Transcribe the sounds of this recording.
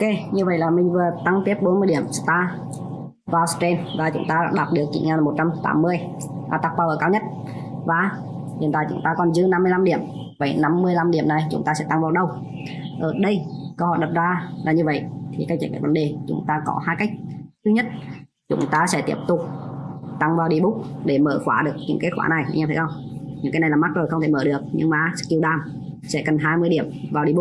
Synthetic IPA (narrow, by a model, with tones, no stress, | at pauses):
ke˧˩ɲɨ˧və̰˧˨jlaː˨˩mï˨˩ŋ̟vɨ˨˩ət̪a˧ŋt̪i˦˥əp̚ɓo˨˦nmɨ˧əjɗi˧˩əmst̪aː˧ | vaː˨˩wst͡ɕe˧nvaː˨˩t͡ɕʊ̰˨˦ŋ͡mt̪aː˧ɗa̰ː˧˥ɗaː˨˩p̚ɗɨ˨˩ək̚t͡ɕḭ˧˩ŋaː˨˩n˨mo˨˩t̚t͡ɕa˧mt̪a̰ː˨˦mːɨ˧əj | aː˨˩t̪a˦˥k̚vaː˧wəː˧˩kaː˧wɲə˦˥t̚ | vaː˨˩ | hi˨˩ənt̪a̰ː˧˨t͡ɕʊ̰˨˦ŋ͡mt̪aː˧kɔ˨˩nzɨ˧˦əna˧mɨ˧əjla˧mɗi˧˩əm | və̰˧˩˦jna˧mːɨ˧əjla˧mɗi˧˩əmna˨˩jt͡ɕʊ˨˦ŋ͡mt̪aː˧sɛ̰˧˥t̪a˧ŋvaː˨˩wɗə˧w | ʔəː˧˩ɗə˧jkə˧hɔ̰˧˨jɗə˨˩p̚zaː˧laː˨˩ɲɨ˧və̰˧˨jʔt̪ʰi˨˩ka˦˥k̚t͡ɕə˧˩ka̰ː˧˩və˨˦nɗe˨˩t͡ɕʊ̰˨˦ŋ͡mt̪aː˧kɔ̰˨˦haː˧jka˦˥jk̟̚t̪ʰɨ˧ɲə˦˥t̚ | t͡ɕʊ̰˨˦ŋ͡mt̪aː˧sɛ̰˧˥t̪i˦˥əp̚t̪ʊ˨˩k͡p̚t̪a˧ŋvaː˨˩wɗi˧˩ɓʊ˦˥k͡p̚ɗe˧˩məː˧˩xwaː˧˩ɗɨ˨˩ək̚ɲɨ̰˧˦ŋke˦˥t̚xwaː˧˥na˨˩jɲa˧t̪ʰe˧˦ʔə˧w | ɲɨ̰˧˥ŋkːaː˨˦na˨˩˨lːaː˨˩ma˦˥t̚zo˨˩jxə˧ŋ͡mt̪ʰe˧˩məː˧˩ɗɨ˨˩ək̚ɲɨ̰˧ŋmaː˨˩ski˧wɗaː˨˩m | sɛ̰˧˥kə˨˩nɦaː˧jmɨ˧jɗi˧˩əmvaː˨˩ɗi˨˧˩ɓʊ˦˥k͡p̚